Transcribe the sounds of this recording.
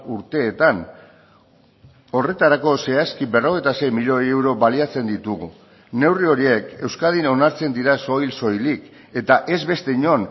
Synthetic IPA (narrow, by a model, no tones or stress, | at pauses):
uɾt̪e̞ːt̪an | o̞re̞t̪aɾako̞se̞askiβe̞ro̞ɣe̞jt̪ase̞jmiʎo̞e̞wɾo̞βaliat͡se̞nd̪it̪uɣṵ | ne̞wrio̞ɾie̞ke̞wskað̞ino̞naɾt͡se̞nd̪iɾaso̞jlso̞jlik | e̞t̪aʔe̞zβe̞st̪e̞iɲo̞n